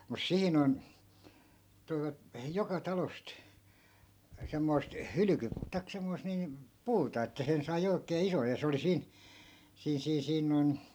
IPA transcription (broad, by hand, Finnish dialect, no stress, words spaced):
mus siːn on toiʋɑt jokɑ tɑlost semːoi̯st hylyky tɑik semːoist niːm puːtɑ etːæ sen sɑi oikeː isoj jɑ se oli siːn siːn̞ siːn̞ siːn noi̯n